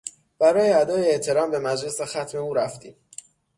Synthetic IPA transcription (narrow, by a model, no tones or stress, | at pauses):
b̥æɾɒːjeæd̪ɒːjeeʔt̪ʰe̞ɾɒːmbe̞mæd͡ʒle̞sexæt̪ʰme̞uːɾæft̪ʰiːm